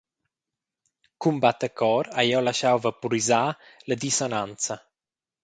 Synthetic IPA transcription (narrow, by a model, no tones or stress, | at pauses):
kumbat̪əkʰɔɾajɔlaʃawvapuɾizaləd̪isɔnant͡sa